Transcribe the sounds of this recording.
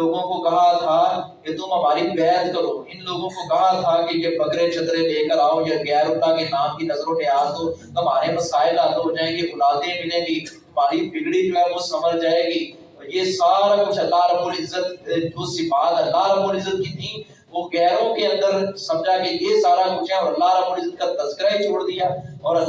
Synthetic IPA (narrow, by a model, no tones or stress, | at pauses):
oːɡõkokɐɦat̪ʰaket̪ʊmɦɐmaːɾibɛːt̪kɐɾoːɪnloːɡõkokɐɦat̪ʰakejebɐkɾẽt͡ʃʰɐt̪ɾẽleːkəɾaːojeɡɛːɾõːt̪akenaːmkinɐzɾõnɪjaːzɦ̪oːtɐmaːɾemɐsaːɪlaːt̪od͡ʒaẽɡeʔʊlaːd̪ẽbʱɪnẽbʱiː | ɐmaːɾibʱɪɡɽibɛ̃kosɐməd͡ʒʱd͡ʒaːeːɡiː | ɔːjesaːɾakʊt͡ʃʰɐlːaɦɾɐbuːɾɪzːət̪d͡ʒoːsibaːt̪ɐlːaɦɾɐbuːɾɪzːət̪kit̪ʰi | ʋoɡɛːɾõkeɐ̃nd̪əɾsɐmd͡ʒakejesaːɾakʊt͡ʃʰaɔːɾɐlːaɦɾɐbuːɾɪzːət̪̚kat̪ɐzkɪɾaɦit͡ʃʰoːɽd̪ijaːɔːɾɐl